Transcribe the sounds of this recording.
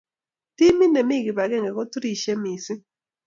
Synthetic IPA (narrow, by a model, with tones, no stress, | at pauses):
ti˦mi˦ne˨mi˦˨ɡi˨ba˨ɡɛ˦ŋɡɛ˨kɔ˦tɾi˦˨ʃe˦mi˨si˦